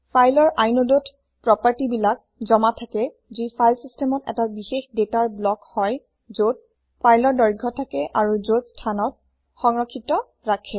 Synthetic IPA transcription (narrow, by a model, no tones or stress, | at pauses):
pʰajlɔɹʔajnodot | pɹɔpaɹtibilak̚zɔmatʰakɛ | zipʰajlsistʰɛmɔtɛ̰tabixexdetaɹblɔkhɔj | zot̚ | pʰajlɔɹdɔɹɡʱɔtʰakɛʔaɹuzotstʰanɔt̚ | xɔŋɹɔkʰːitɔ | ɹakʰɛ